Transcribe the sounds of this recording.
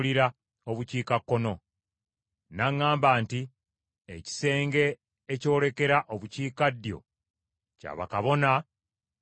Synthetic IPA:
liɾa | oβuciːkakːo̞no̞ | naŋːaːmbaːnti | ḛci̥se̞ːŋɡe̞ː | co̞ːle̞ke̞ɾaʔoβuciːkadːjo̞̰ | ca̰βa̰kaβo̞na

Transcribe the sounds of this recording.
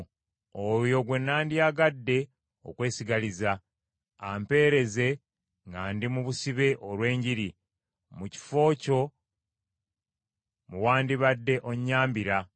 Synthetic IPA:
ojo̞ɡwe̞nːaːndiaɡadːe̞ | o̞̰kwe̞ːsiɡalizaː | mpe̞ːɾe̞ze̞ | ŋɡaːndimuβusiβe̞ʔolwe̞ːɲɟiɾi | muci̥fo̞ːco̞ | muwaːndiβadːe̞ʔo̞ɲːaːmbiɾa

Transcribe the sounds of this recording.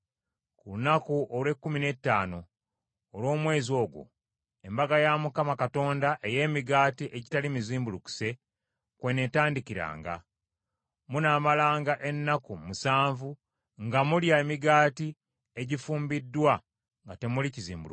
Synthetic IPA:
kuunakuʔolwe̞kːumine̞tːaːno̞ː | lwo̞ːmwe̞ːzio̞ːɡwo̞̰ | e̞mbaɡajamukamakato̞ːndaʔe̞je̞ːmiɡaːtiʔe̞ɟitalimiziːmbuluku̥se̞ | kwe̞ne̞taːndiciɾa̰ːŋɡa̰ | munaːmalaːŋɡaʔe̞nːakumusaːɱvu | ŋɡamuljaemiɡaːti | e̞ɟifuːmbidːwa | ŋɡate̞mulicizḭːmbulu

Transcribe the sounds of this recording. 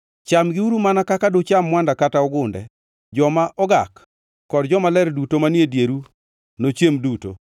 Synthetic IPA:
t͡ʃamɡɪuɾumanakakadot͡ʃamːwandakataɔɡʊndɛ̰ | d͡ʒɔmaʔɔɡakː | ɔdd͡ʒɔmalɛɾdutomanedjeɾu | not͡ʃemduto̰

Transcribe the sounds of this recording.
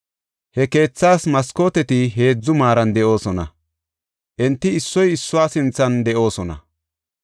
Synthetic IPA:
hɛke̞ːt͡sːaːsmɐskoːt̪ɛt̪ɪɦe̞ːd͡zːʊmaːɾɐnd̪ɛʔo̞ːsɔnɐ̰ | ʔɛnt̪ːɪːsːɔjɪsːʊwaːsɪnt͡sːɐnd̪ɛʔo̞ːsɔnɐ̰

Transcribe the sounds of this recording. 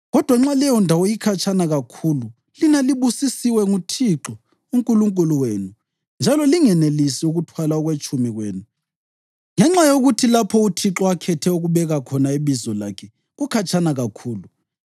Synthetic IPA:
ɣɔd̥ʱwaŋ͡ǁalɛjɔndʱawɔjikʰat͡ʃʰʼanaɣakʰuːlu | linaliβusisiwɛŋutʰiǁɔ | uŋkʼuluŋkʼuluweːnu | nd͡ʒʱalɔliŋɛnelisiuɣutʰwalaɔɣwet͡ʃʼʰumiɣweːnu | ŋɛŋ͡ǁajoɣutʰilapʰɔutʰiǁɔakʰɛtʰɛuɣuβɛɣakʰɔnaiβizɔla̰kʰɛ | ɣukʰat͡ʃʰʼanaɣakʰuːlu

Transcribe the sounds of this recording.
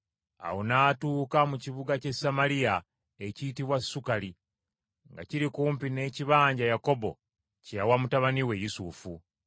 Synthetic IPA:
a̰wonaːtuːkamuciβuɡace̞samalija | e̞ciːt̬iβwasːukali | ŋɡa̰ciɾikuːmpine̞ːciβaːɲɟajako̞bo̞̰ | cejawamutaβaniwe̞jusufu

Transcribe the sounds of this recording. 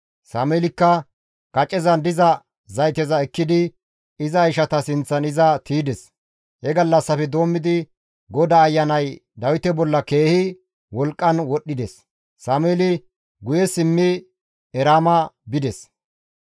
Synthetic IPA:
saːmeːlɪkːɐ | kɐt͡ʃʼːɛzɐnd̪ɪzɐ | zɐjt̪ɛzɐɛkːɪd̪ɪ | ɪzɐjʃɐt̪ɐsɪnt͡sːɐnɪzɐt̪iːd̪ɛs | hɛɡɐlːɐsːɐfɛd̪o̞ːmːɪd̪ɪ | ɡɔd̪aːjːɐnɐjd̪ɐwɪt̪ɛbɔlːɐke̞ːhɪ | wɔlkʼːɐnwɔɗːɪd̪ɛs | saːmeːlɪ | ɡʊjɛsɪmːɪ | ɛɾaːmɐbɪd̪ɛs

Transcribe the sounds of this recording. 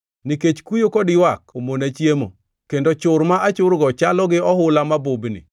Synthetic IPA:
niket͡ʃkujokɔdɪwakomonat͡ʃjemo̰ | kendot͡ʃʊrmaʔat͡ʃʊɾɡɔt͡ʃalɔɡɪɔɦʊlamabʊbnɪ̰

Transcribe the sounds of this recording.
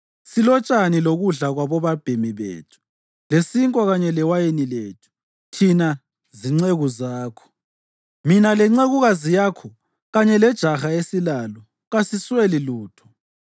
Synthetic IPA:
silɔt͡ʃʼaniloɣuɮaɣwaβɔβab̥ʱemiβḛːtʰu̥ | lesiŋkʼɔɣaɲɛlɛwajenileːtʰu̥ | tʰina | ziŋ͡ǀeɣuzaːkʰɔ̥ | minalɛŋ͡ǀeɣuɣazijakʰɔ | ɣaɲɛlɛd̥ʒ̥ʱaxaesilalɔ | ɣasisweliluːtʰɔ̥

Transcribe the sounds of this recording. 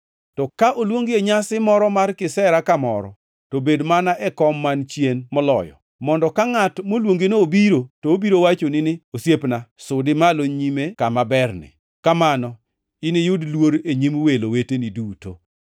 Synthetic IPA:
tɔkaʔolwoŋɡeeɲasɪmɔɾɔmarkɪsɛɾakamɔ̰ɾɔ̰ | tobedmanaʔɛkɔmːant͡ʃjenmɔlɔ̰jɔ̰ | mɔndɔkaŋatmolwoŋɡenoobiɾotoobiɾowat͡ʃonɪnɪosjepnasʊdɪmaloɲimekamabɛrnɪ̰ | kamanɔ | ɪnɪjʊdlwoɾeɲimweloweteniduto̰

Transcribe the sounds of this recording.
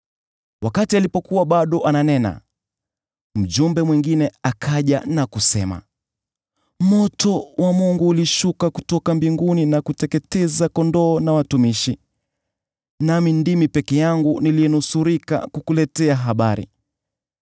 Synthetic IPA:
wakatialipɔkuwaɓaɗɔʔananɛna̰ | m̩d͡ʒumbɛmwiŋɡinɛakʰaʄanakusɛma̰ | mɔtɔwʔamuŋɡuːliʃukakutɔkambiŋɡuninakutɛkɛtɛzakɔndɔːnawatumiʃi | namindimipɛkɛjaŋɡuniliɛnusuɾika̰kukulɛtɛaɦaɓaɾḭ

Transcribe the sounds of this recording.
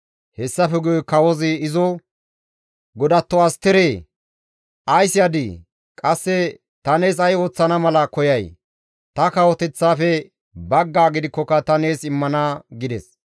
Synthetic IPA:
hɛsːɐfɛɡʊjɔkɐwɔzɪːzɔ | ɡɔd̪ɐt̪ːɔɐst̪ːɛɾeː | ʔɐjsɪjɐd̪i | kʼɐsːɛ | t̪ɐne̞ːs̬ɐjo̞ːt͡sːɐnɐmɐlɐkɔjɐj | t̪ɐkɐwɔt̪ɛt͡sːaːfɛ | bɐɡːaːɡɪd̪ɪkːɔkɐt̪ɐne̞ːsɪmːɐnɐɡɪd̪ɛs

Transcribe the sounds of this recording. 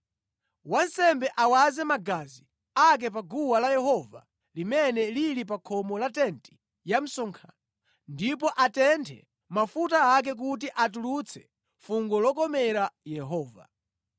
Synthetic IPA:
wansɛmbɛʔawazɛmaɡazi | ak̬ɛpaɡuwalajɛɦɔva̰ | limɛnɛlilip̬akʰɔmɔlatɛnti̥ | jam̩sɔŋkʰa̰nɔ | ndip̬ɔʔatɛntʰɛ̰ | mafutaak̬ɛk̬ut̬iʔat̬ulut͡sʰɛ̥ | fuŋɡɔlɔkɔmɛɾajɛɦɔːva̰

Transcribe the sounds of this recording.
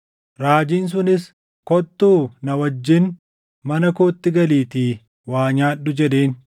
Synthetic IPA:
ɾaːd͡ʒiːns̬ʊnɪs | kɔt̪ːuːnɐwɐd͡ʒːɪn | mɐnɐkoːt̪ːɪɡɐliːt̪iː | waːɲaːɗːʊd͡ʒɛd̪eːn

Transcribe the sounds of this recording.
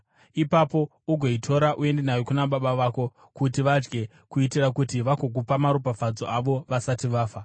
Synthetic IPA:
ipapo̞ | uɡʱo̞itʰo̞ɾaʔue̞ndenajo̞kunaɓaɓaʋaːko̞ | kutiʋad͡ʒɡe̞ | kuitirakutiʋakok̬upamaɾupafad͡zoʔaʋo̞ʋasatiʋaːfa

